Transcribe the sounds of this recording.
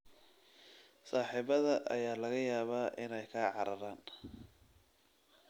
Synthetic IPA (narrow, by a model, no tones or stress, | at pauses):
saːħiːβɐðɐʔɐ̰jaːlɐɣɐjaːβaːʔɪnɛjkʰaːʕɑɾɐɾaːn